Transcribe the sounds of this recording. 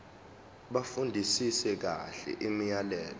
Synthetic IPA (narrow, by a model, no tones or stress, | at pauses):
ɓafundʱisisɛk̬a̰ɬɛ̰ʔimijalɛːlɔ